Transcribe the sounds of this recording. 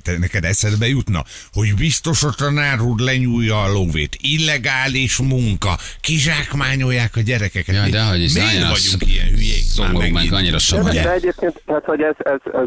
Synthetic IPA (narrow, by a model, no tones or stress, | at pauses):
d̪ɛnɛkɛd̪ɛsɛd̪bɛjut̪nɒ̰ho̞ɟbist̪o̞ʃot̪ɒnaːɾuːd̪lɛɲuːjːɒːlovḛːt̪ilːɛɡaːliʃmuŋkɒ̰kiʒaːkmaːɲo̞jːaːkɒɟɛɾɛkɛkɛd̪ɛɦɒɟimiivɒɟuŋkijɛ̰nhyjɛiso̰momakɒɲːiɾɒʃod̪ɛɛɟeːp̚keːnt̪t̪ɛat̪hoɟɛzɛzɛ